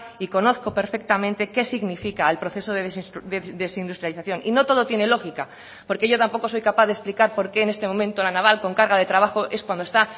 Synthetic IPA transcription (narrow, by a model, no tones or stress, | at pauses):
iko̞no̞θko̞pe̞ɾfe̞k̚t̪amẽnt̪e̞ke̞siɣnifikaelpɾo̞θe̞soðesd̪eðesind̪ust̪ɾjaliθaθjo̞nino̞t̪o̞ð̞o̞t̪je̞ne̞lo̞xika | po̞ɾke̞ʝo̞t̪ampo̞ko̞so̞jkapaðesplikaɾpo̞ɾke̞ːne̞st̪emomẽnt̪olanaβ̞alko̞ŋkaɾɣaðe̞t̪ɾaβaxoʔe̞skwand̪oe̞st̪a